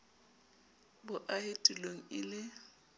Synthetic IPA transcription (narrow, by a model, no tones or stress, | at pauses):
bʊʔahɪtʼuloŋ̩ɪlɪ